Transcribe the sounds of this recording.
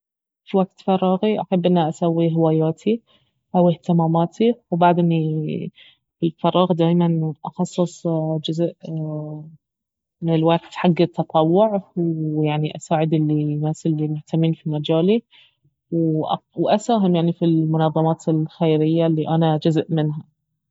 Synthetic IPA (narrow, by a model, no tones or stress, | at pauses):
fiwaɡt̪fɑɾˤːɑːɣiʔaħabːʔɪnːaʔasawːiɦɪwaːjaːt̪ʰi | ʔawɪht̪ɪmaːmaːt̪ʰiwbaʕd̪ɪni | ɪlfɑɾˤɑːɣd̪aːjmanʔɑxɑsˤːɨsˤd͡ʒʊzʔ | mɪnɪlwakt̪ħaɡːɪt̪ʰːɑt̪ˤɑwːʊʕwjaʕniʔasaːʕɪd̪ɪlːinaːsɪlːimʊht̪amːiːnfimad͡ʒaːli | wʔwʔasaːɦɪmjaʕnifilmʊnɑðˤːɑmɑːt̪ɪlxejɾɪjːalːiʔanad͡ʒʊzʔmɪnɦa